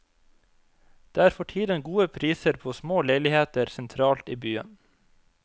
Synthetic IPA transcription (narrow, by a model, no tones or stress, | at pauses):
d̪̥eːæːɾfɔʈʰiːd̪ənɡuːəpʰɾiːsəɾpʰoːsmoːleɪlɪheːt̪əɾsɛnt̪ʰɾɑːlt̪iːbyːə̰n